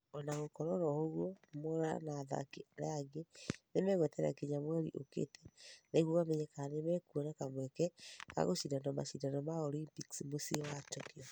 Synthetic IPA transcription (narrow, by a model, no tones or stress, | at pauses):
ɔnaɣokɔɾɔɾɔhoɣwɔmoɾa̰naːða̰kiaɾḛaɡenemɛɣwɛtɛɾa̰keɲamwɛɾḭʔokḛtɛneɣoɣamɛɲɛkanemɛkuɔnakamwɛkɛka̰ɣoʃidanɔma̰ʃidanɔmaɔlimpiksimosiwatɔkiɔ